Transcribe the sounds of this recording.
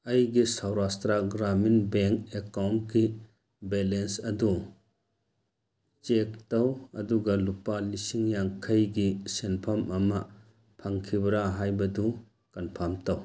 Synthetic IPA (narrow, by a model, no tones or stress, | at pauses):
ɐjɡisɐwɾastɾaɡɾaminbeŋkekawnki | belensɐdu | t͡ʃek̚tɐwɐduɡɐlupalisiŋjaŋkʰɐjɡisenpʰɐmɐmɐ | pʰaŋkʰibɐɾaɦajbɐdu | kɐnpʰamtaw